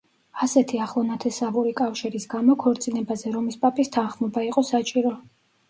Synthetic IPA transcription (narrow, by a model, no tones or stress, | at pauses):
asɛt̪ʰiaχlˠɔnat̪ʰɛsavuɾikʼafʃiɾisɡamɔkʰɔɾt̪sʼinɛbazɛɾɔmispʼapʼist̪ʰanχmɔbaiqʼɔsat͡ʃʼiɾɔ